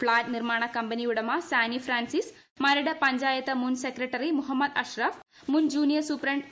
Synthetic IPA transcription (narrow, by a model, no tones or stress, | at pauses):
pʰlaːʈniɾmaːɳ̃ɐkɐmpɐniuɽɐmasaːnipʰɾaːnsis | mɐɾɐɽɐpɐɲd͡ʒaːjɐt̪ɐmunsekɾeʈɐɾimuɦɐmːɐd̪ɐʃɾɐf | mund͡ʒuːnijɐɾsupɾɐɳʈ